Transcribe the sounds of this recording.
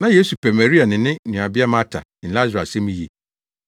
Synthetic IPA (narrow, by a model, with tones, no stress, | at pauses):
nã˨je˦su˨pʰɛ˨mæ˨ɾi˦a˨nɪ̃˨nɪ̃˦nũ˨a˨bɪ˦a˦mã˦tʰa̰˨ | n̩˨la˦zɾa˨sɛ̃˦mĩ˦jḛ˨